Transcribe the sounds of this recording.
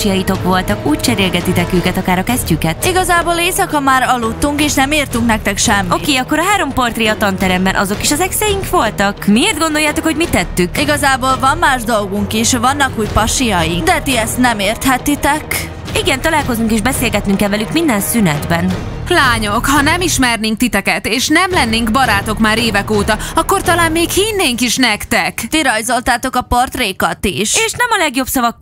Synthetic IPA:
ijɒjit̪o̞kʋo̞lt̪ɒkuːc̚t͡ʃɛɾeːlɡɛt̪ːit̪ɛkøːkɛt̪ɒkaːɾɒkɛzcykɛt̪iɡɒzaːboːleːsɒkɒmaːɾɒlːut̪ːuŋkeːʃnɛmeːrt̪uŋknɛk̚t̪ɛkʃɛmːo̞ieːɒkːo̞ɾɒɦaːɾo̞mpo̞rt̪reːɒt̪ɒnt̪ɛɾɛmbɛnʔɒzo̞kiʃɒzɛksɛjiŋkʋo̞lt̪ɒkmieːrd̪ɡo̞nd̪o̞jaːt̪o̞khoɟmit̪ːɛt̪ːykiɡɒzaːboːlvɒmːaːʒd̪o̞lɡuŋkiʃvɒnːɒkuːcpɒʃijɒjiŋd̪ɛt̪iɛst̪nɛmeːrt̪ɦɛt̪ːit̪ɛk | iɡɛnt̪ɒlaːlko̞zuŋkeːʒbɛseːlɡɛt̪nyŋkɛlvɛlykmind̪ɛnsynɛd̪bɛn | laːɲo̞khɒnɛmiʃmɛrneːŋk̚t̪it̪ɛkɛt̪eːʃnɛmlɛnːeːŋkbɒɾaːt̪o̞kmaːɾeːvɛkoːt̪ɒɒkːo̞rt̪ɒlaːmːeːkhinːeːŋkiʃnɛkt̪ɛkt̪iɾɒjzo̞lt̪aːt̪o̞kɒpɒrt̪reːkɒt̪ḭʃeːʃnɛmɒlɛɡjo̞bsɒvɒkː

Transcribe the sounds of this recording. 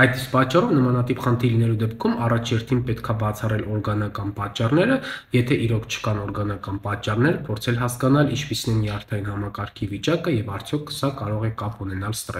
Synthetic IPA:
ɑjt̪spɑt͡ʃːɑrɔvnəmɑnɑt̪ipχənt̪ʰilinɛlud̪ɛpkʰumɑrɑt͡ʃʰjɛɾt̪ʰinpɛt̪kʰɑbɑt͡sʰɑrɛlɔɾɡɑnɑkɑnpɑt͡ʃːɑrnɛɾəjɛt̪ʰɛʔiɾɔkʰt͡ʃʰə̥kɑnɔɾɡɑnɑkɑnpɑt͡ʃːɑrnɛɾəpʰɔɾt͡sʰɛlɦɑskɑnɑlint͡ʃʰpisinɛmiɑɾt̪ʰɑinhɑmɑkɑɾkʰivit͡ʃɑkəjɛvɑɾt͡sʰjɔkʰsɑkɑɾɔʁɛkɑpunɛnɑlst̪rɛ

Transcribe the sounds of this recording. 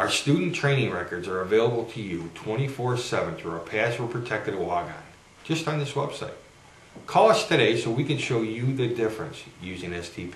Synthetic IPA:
aʊə˞stʉdⁿn̩tʰɹ̥ẽɪ̃nɪ̃ŋɹɛkə˞dzə˞ɨveɪlˠəbl̩ˠtʰɨjɨtʰw̥ɛ̃ɾ̃ifɔɹsɛvɨ̃nθɹəəpʰæswə˞pʰɹ̥ɨtʰɛk̚tɨɾəɑɡã̰n | d̥ʒ̥ʌstn̩ðɪswɛb̥saɪt̚ | kʰɔlˠʌstʰɨɾeɪsoʊwikɨ̃nʃoʊjɨðɨdɪfɹɨ̰̃nsjʉzɪ̃ŋɛstʰipʰ

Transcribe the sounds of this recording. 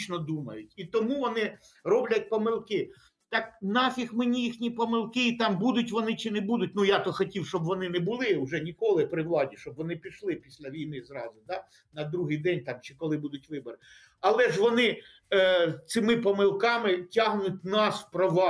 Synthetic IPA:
t͡ʃnɔd̪umɐjʊtʲit̪ɔmuʋɔnɪ | rɔblʲɐt̚ʲpɔmɪlˠkɪ | t̪ɑknɑfʲixmenʲijixnʲipɔmɪlˠkɪit̪ɑmbud̪ʊtʲʋɔnɪt͡ʃɪnɛbud̪ʊtʲnujɑt̪ɔxɔtʲiwʃt͡ʃɔbʋɔnɪnɛbʊlˠɪʊʒɛnʲikɔlˠɪpɾɪwlˠɑdʲiʃt͡ʃɔbʋɔnɪpʲiʃlˠɪpʲisʲlʲɐʋʲijmɪzɾɑzʊd̪ɑ | nɐd̪ɾuɦɪjd̪ɛnʲt̪ɑmt͡ʃɪkɔlˠɪbud̪ʊtʲʋɪbɔɾɪ | ɐlˠɛʒʋɔnɪ | t̪sɪmɪpɔmɪlˠkɑmɪtʲɑɦnʊt̚ʲnɑspɾɔʋɑ

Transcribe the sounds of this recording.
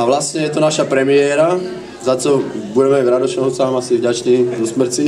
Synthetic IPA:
aʋlasɲɛjɛt̪ɔnaʃapɾɛmɪɛːɾa | zat͡ʃɔbuɟɛmɛvɾad̪ɔʃɔʊt͡saːmasivɟat͡ʃniːzɔsmr̩t͡si

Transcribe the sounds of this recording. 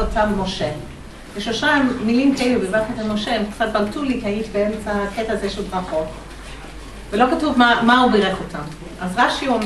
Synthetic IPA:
otammoʃe | beʃloʃamːilimkaelubevatet̪almoʃeemkt͡sat̚baltulikait̪beemt͡saketaːzeʃelbʁaχot | velo̞katuvmamaubiʁeχotʰam | ʔazʁaʃiom

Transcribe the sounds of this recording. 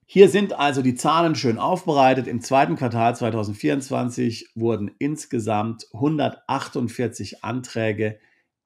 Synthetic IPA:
hiːɐzɪntʔalzodiːt͡saːlənʃøːnʔaʊfb̥əʁ̞aɪtətɪmt͡sv̥aɪtn̩kv̥aɐtʰaːlt͡sv̥aɪtaʊzn̩tfiːɐʊntt͡sv̥a̰nt͡sɪçvʊɐdn̩ʔɪnsɡ̥əzamthʊndɐtʔaχtʊntfɪɐt͡sɪçʔa̰ntʁ̥ɛːɡə

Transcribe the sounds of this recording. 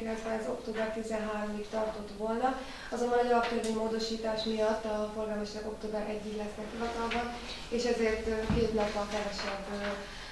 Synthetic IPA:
lɛsʋɛzo̞kt̪oːbɛrt̪izɛnɦaːɾomikt̪ɒrt̪o̞t̪ʋolnɒ | ɒzombɒnɛɒlɒpt̪ørveɲmoːd̪o̞ʃiːt̪aːʃmijɒt̪ːɒfo̞rɡaːlmoʃlɛko̞kt̪oːbɛɾʔɛɟːiklɛsnɛkhiɦɒt̪ɒlbɒn | eːʃɛzeːrt̪ːkeːt̪nɒpːɒkɛvɛʃɛbːø

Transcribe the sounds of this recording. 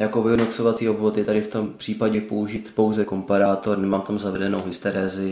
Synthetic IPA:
jakovɪɦodnot̪t͡so̞vat͡siːo̞bvo̞t̪jɛt̪adɪft̪o̞mpr̥iːpaɟɛpouʒiːt̪po̞wzɛko̞mpaɾaːt̪o̞ɾnɛmaːmft̪o̞mzavɛdɛnowɦɪst̪ɛɾɛːzɪ

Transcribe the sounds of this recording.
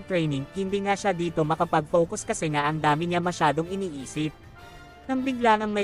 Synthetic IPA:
t̪ɾɛjnɪŋhɪnd̪iːŋaʃad̪iːt̪o̞mɐkɐpɐɡ̚fo̞ːkoskɐsɛŋaʔɐŋd̪aːmɪɲamɐʃaːd̪o̞ŋɪniːʔiːsɪp̚ | nɐŋbɪɡlanɐŋmɐ

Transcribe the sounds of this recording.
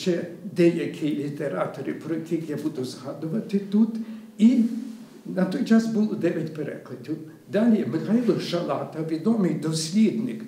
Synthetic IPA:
t͡ʃɛd̪ɛjɐkʲʰɪlʲit̪eɾɑt̪ɔɾɪ̰pɾɔjɐkʲɪxjabud̪ʊzɦɑd̪ʊʋɐt̪ɪt̪ut̪ | i | nɐt̪ɔjt͡ʃɑsbulˠɔd̪ɛʋʲɐtʲpeɾɛ̰klˠɐdʲiw | d̪ɑlʲimɪxajilˠɔxʒɐlˠɑt̪ɐʋʲid̪ɔmɪjd̪ɔsʲlʲid̪nɪk

